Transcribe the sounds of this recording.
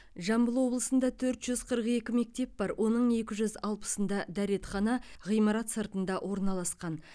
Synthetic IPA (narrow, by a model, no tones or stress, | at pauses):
ʒɑmbəlˠwo̞blˠəsənd̪ɑt̪ʰɵɾt̪ʒ̥ʏz̥qʰəɾəqe̞kʲɪme̞k̚t̪e̞p̚bɑɾwʔo̞nəɴe̞kʲɪʒʏzɑlˠpə̥sənd̪ɑd̪æɾe̞t̪χɑnɑʁijmɑɾɑt̪səɾt̪ənd̪ɑwʔo̞ɾnɑlˠɑsqɑn